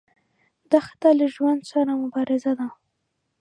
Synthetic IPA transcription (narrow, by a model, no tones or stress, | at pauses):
d̪ɑxḁt̪alaʒwand̪saɾamʊbɑɾɪzad̪a